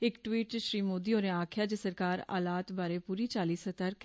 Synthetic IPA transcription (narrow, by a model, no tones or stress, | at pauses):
ɪkʈwiːʈʃɾiːmoːd̪iːoːɾẽaːkʰjaːd͡ʒesəɾkaːɾa̰ːlaːt̪baːɾeːpuːɾiːt͡ʃaːliːsət̪əɾkʰ